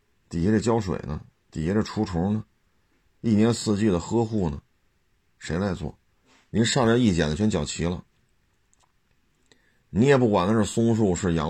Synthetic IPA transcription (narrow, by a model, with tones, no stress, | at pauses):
t̪i˨˩ɛ˧˥ʈ͡ʂə˥˩t͡ɕjɑ˥ʊʂwḛ˨˩ɪnə˦ | t̪i˨˩ɛ˧˥ʈ͡ʂə˥˩ʈ͡ʂʰu˧˥ʈ͡ʂʰʊ˧˥nə˧ | i˥˩njɛ˧˥nsɹ̩˥˧t͡ɕy˥˩d̪ə˩xɤ˥xu˥˩nə˩ | ʂe˧˥ɪt͡sa˧˥ɪt͡swɔ̰˥˩ | ni˧˥nʂɑ˥˧ŋ˥˧˥i˥˩t͡ɕjɛ˨˩nd̪ə˩t͡ɕʰɛ˥nt͡ɕjɑ˨˩ʊt͡ɕʰi˧˥lə̰˧ | ni˧˥jɛ˨˩pu˥˩kwa˨˩nd̪ə˦ʈ͡ʂə˥˩sʊ˥ŋʂ̬u˥˧ʂɻ̩˥˩jɑ̰˧˥